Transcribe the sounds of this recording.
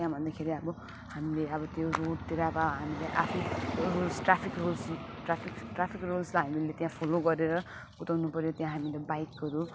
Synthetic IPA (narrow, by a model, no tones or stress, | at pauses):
jãbʱʌnd̪akʰeɾiʌbʌ | hamileʌbʌt̪joroɽt̪iɾabaɦamilajʔa̰pʰnirolsʈrapʰikrols | ʈrapʰikʈrapʰikrolslaɦamilet̪jãpʰoloɡʌɾeɾʌ | but̪awnupʌɾjot̪jãɦamilabajkɦʌɾu